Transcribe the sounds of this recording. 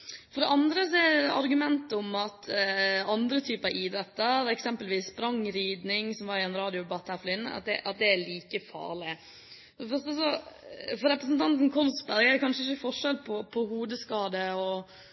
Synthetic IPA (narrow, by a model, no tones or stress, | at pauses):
fɔɖɛʔɑnd̪ɾəsɔɛɑɾɡʉmɛnt̪əɔmɑt̪ɑnd̪ɾət̪ʰyːpəɑiːd̪ɾɛt̪ːəɾɛksɛmpəlʋiːsːbɾɑŋɾiːd̪nɪŋsɔmʋɑɾɪɛnɾɑːd̪ɪʊbɑːt̪hæːɾfɔɾɪnːə̰ɑ̰t̪̚d̪ɛ̰ʔɑt̪̚d̪ɛæɭiːkəfɑ̰ːɾɭɪ | fɔd̪ɛfœɾʂt̪əs̬ɔfɔɾɛpɾəs̬nt̪ʰɑnt̪n̩kʰɔlsbæɾɡæɾd̪ɛkʰɑnʂəɪçəfɔʂɛlpʰɔpʰɔɦuːd̪əskɑːd̪əɔ